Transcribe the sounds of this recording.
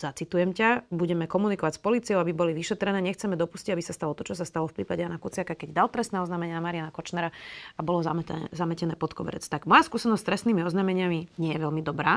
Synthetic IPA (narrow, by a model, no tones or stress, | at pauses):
z̥at͡sit̪ujɛmcabuɟɛmɛkɔmunikɔʋacspɔliːt͡siɔʊabibɔliʋiʃɛt̪ɾɛnɛːɲɛxt͡sɛmɛd̪ɔpusciabisast̪alɔt̪ɔt͡ʃɔs̬ast̪alɔfpɾḭːpaɟɛjanakut͡sɪakakɛɟd̪alt̪ɾɛsnɛːɔznaːmɛɲɪanamaɾianakɔt͡ʃnɛɾaabɔlɔzazamɛcɛnɛːpɔt̪kɔbɛ̰ɾɛ̰t͡st̪aɡmɔjaskuːsɛnɔsst̪ɾɛsniːmiɔznamɛɲɪamiɲɪɛjɛʋɛlmid̪ɔbɾaː